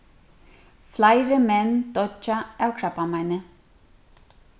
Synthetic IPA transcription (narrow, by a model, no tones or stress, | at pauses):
flajɾəmɛnd̪ɔt͡ʃːaɛwkʰɾapːamajnə